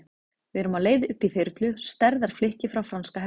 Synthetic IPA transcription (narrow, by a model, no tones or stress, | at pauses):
vɪɛɾʏmaðleːjðɪʔʏhpiθejɾt̪lʏst̪ɛɾðaɾ̥flɪhcɪfɾawfɾanskaɦɛ